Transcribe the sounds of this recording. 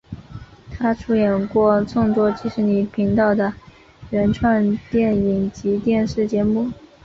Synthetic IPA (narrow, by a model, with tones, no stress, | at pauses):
t̪ʰa˥ʈ͡ʂʰu˥jɛ˨˩nkwɔ˥˧t͡sʊ˥˧ŋt̪wɔ˥t͡ɕʰi˧˥ʂɻ̩˧˥ni˨˩pʰi˧˥ŋt̪ɑ˥˩ʊd̪ə˩ | ɻə˧˥nʈ͡ʂʰwa˥˧nt̪jɛ˥˩ni˨˩ŋt͡ɕi˧˥t̪jɛ˥˧nʂɻ̩˥˩t͡ɕjɛ˧˥mu˥˩